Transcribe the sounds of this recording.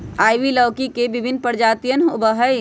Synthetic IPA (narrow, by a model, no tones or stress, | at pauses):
aːjʋiləːkikebɪbʱɪnpəɾd͡ʒaːt̪ijənʊbəɦəj